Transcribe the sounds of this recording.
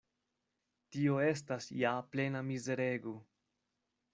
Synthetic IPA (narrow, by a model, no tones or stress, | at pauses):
tio̞e̞stasjaple̞namize̞ɾe̞ɡo